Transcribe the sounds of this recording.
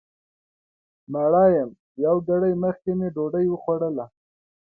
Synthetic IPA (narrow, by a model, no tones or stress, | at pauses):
maɽɑjəm | jawɡaɽəjməxkemeɖoɖəjwəxwaɽəla